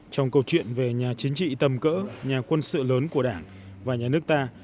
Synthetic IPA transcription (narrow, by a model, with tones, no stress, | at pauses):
t͡ɕɔ˧wŋ͡mkə˧wt͡ɕwḭ˧˨ənve˨˩ɲaː˨˩t͡ɕï˨˦ŋ̟t͡ɕḭ˧˨t̪ə˨˩mkə̰ː˧˥ɲaː˨˩kwə˧nsɨ̰˧˨ləː˨˦nku˧˩əɗaː˧˩ŋ | vaː˨˩ɲaː˨˩nɨ˦˥ək̚t̪aː˧